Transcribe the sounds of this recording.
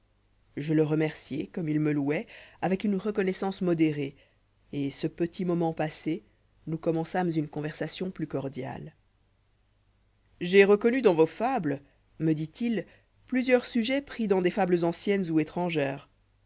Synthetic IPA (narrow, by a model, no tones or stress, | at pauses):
ʒələʁəmɛʁsjekɔmilməluɛavɛkynʁəkɔnɛsɑ̃smɔd̪eʁe | esəpət̪imɔmɑ̃pase | nukɔmɑ̃samzynkɔ̃vɛʁsasjɔ̃plykɔʁd̪ja̰l | ʒeʁəkɔnyd̪ɑ̃vofablə | məd̪it̪il | plyzjœʁsyʒɛpχid̪ɑ̃d̪efabləzɑ̃sjɛnzuet̪χɑ̃ʒɛːʁ